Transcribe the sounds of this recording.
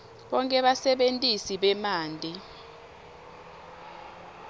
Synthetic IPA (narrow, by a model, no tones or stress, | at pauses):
ɓɔŋkʼɛɓasɛɓentʼisiɓɛmaːntʼi